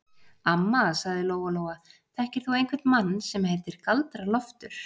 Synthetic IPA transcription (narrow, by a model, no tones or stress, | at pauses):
amːasaɣðɪloːwvaloːwaθɛhcɪɾ̥θuejnkʰvɛɾt̪manːsɛmhejvt̪ɪɾ̥kalt̪ɾalɔft̪ʏɾ̥